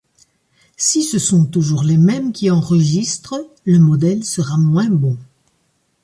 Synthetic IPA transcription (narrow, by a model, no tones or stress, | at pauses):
sisəsɔ̃t̪uʒuʁlemɛmkʲiɑ̃ʁəʒist̪χə | ləmɔd̪ɛlsəʁamwɛ̃bɔ̃